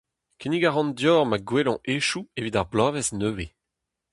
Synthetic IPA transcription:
kʰeniɡaʁɑ̃ndjɔːʁmaɡwelɔ̃ʔeʃuevidaʁblaːvɛsnøːve

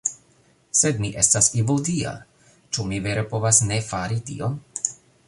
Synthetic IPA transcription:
se̞dmiʔe̞stasivuldia̰ | t͡ʃumive̞ɾepo̞vasne̞faɾitḭo̞n

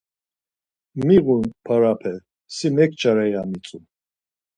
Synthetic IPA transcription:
miɣunpʰaɾapʰɛ | simɛk̚ʰt͡ʃʼaɾajamit͡sʼun

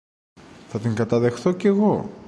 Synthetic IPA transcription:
θɐt̪iŋɡɐt̪ɐðe̞xθo̞ce̞ɣo̞

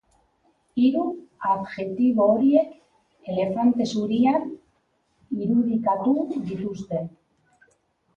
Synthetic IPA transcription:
iɾuaβʝe̞t̪iβoːɾie̞k | ele̞fant̪e̞suɾian | iɾuðikat̪uðit̪ust̪e̞

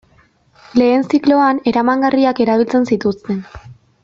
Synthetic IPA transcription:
le̞ːnsiklo̞ane̞ɾamaŋɡariake̞ɾaβ̞ilt͡se̞nsit̪ust̪e̞n

